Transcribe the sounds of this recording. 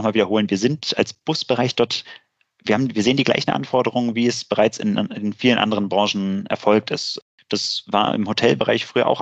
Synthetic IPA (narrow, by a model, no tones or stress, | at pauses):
χmaːlviːdɐhoːlənviːɐzɪnta̰lsb̥ʊsb̥əʁaɪçd̥ɔɐt | viːɐhaːbm̩viːɐzeːəndiːɡla̰ɪçn̩ʔa̰nfɔɐdəʁʊŋənviːɛsb̥əʁaɪt͡sɪ̰nɪnfiːlənʔa̰ndəʁənbʁɑːʃn̩ʔɛ̰ɐfɔlk̚tɪst | d̥asva̰ːɐɪ̰mhotʰɛlbəʁa̰ɪçfʁ̥yːɐ̰ʔa̰ʊx